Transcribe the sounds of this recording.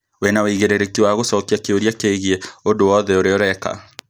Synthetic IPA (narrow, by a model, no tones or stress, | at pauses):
wenaweiɣeɾeɾekiwaɣosɔkiakeoɾiakeɣeondowɔðɛoɾeɔɾɛka̰